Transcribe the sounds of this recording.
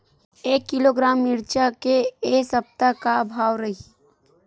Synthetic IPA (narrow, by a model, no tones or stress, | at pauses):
eːkːɪloɡɾaːmɪɾt͡ʃakeesəp̚t̪akabʱaːʋɾɐɦi